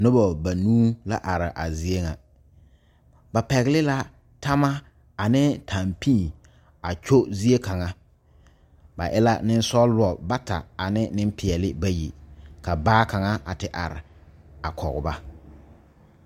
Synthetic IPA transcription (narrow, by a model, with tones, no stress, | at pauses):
nʊ˦bɔ˨ba˨nuː˦la̰˦ʔa˨ɾɪ˨ʔa˨zi˦e˦ŋa˨ | ba˨pɛ˨ɣɪ˦lɪ˦la˦ | ta˦ma˦ | a˨nɪ˦tʰa˨mpĩ˦˨ | a˨t͡ʃo˦zi˦e˦ka˨ŋa˦ | ba̰˨ʔɪ˦la˦nɪ˦n˦sɔ˦lʊ˦ɔ˨ba˦ta̰˨a˨nɪ˦nɪ˦m˦pɪ˨ɛ˨lɪ˦ba˦jḭ˨ka˨baː˦ka˨ŋa˦ʔa̰˨tɪ˨ʔa̰˨ɾɪ̰˨ | a˨kʰɔ̰˨ɣʊ̰˨ba˦